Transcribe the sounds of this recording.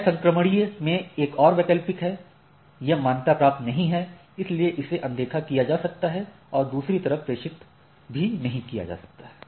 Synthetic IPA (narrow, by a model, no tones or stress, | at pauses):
sɐ̃ŋkɾəməɽimẽeːkɔːɾʋeːkəlpɪkɦɛ | jɐɦmaːnt̪apɾaːp̚t̪nɐɦĩɦɛ | ɪslieʔɪseʔɐ̃nd̪eːkʰakijad͡ʒaːsɐk̚t̪aɦɛ | ɔːɾd̪uːsɾit̪ɐɾəfpɾeːʃɪt̪ | bʱinɐɦĩkija̰d͡ʒa̰ːsɐ̥k̚t̪aɦɛː